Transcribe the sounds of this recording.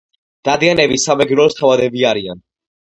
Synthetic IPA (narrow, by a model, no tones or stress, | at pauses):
d̪̥ad̪ianɛbisamɛɡɾɔst̪ʰavad̪ɛbiaɾia̰n